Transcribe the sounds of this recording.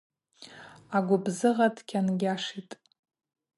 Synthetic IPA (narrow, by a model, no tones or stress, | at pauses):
aɡʷʊbzɨʁadʰkʲʰanɡʲaʂitʼ